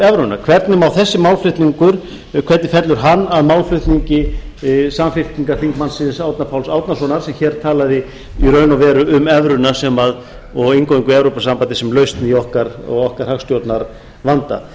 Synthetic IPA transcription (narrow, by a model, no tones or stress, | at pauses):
ɛvɾʏnakʰvɛɾt̪nʏmawθɛsːɪmawlflʏht̪niŋkʏɾ̥ | kʰvɛt̪nɪfɛt̪lʏɾ̥ɦanːaðmawlflʏht̪niɲcɪ | saːmfɪft̪niŋkaɾ̥θiŋkmansɪnsawt̪napʰawlsawt̪nasɔnaɾ̥sɛmçɛːɾt̪ʰaːlaðɪ | iɾœːɥnavɛːɾʏʏmɛvɾʏnasɛmað | ɔɣɪŋkowiŋkʏɾɛvɾowpasampant̪ɪsɛmlœɥst̪niɔhkaɾɔ̰ɣɔhkaɾ̥hafst̪jowt̪naɾ | vant̪a̰